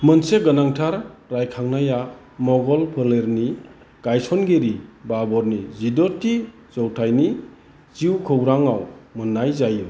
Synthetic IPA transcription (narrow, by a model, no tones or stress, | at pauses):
mənseɡənaŋtʰaɾɾajkʰaŋnaja | mɔɡɔlpʰɯleɾni | ɡ̥ajsɔnɡeɾibabɔɾnizidɔti | zɔwtʰajni | ziwkʰɯwɾaŋawmɯnːajzajɯm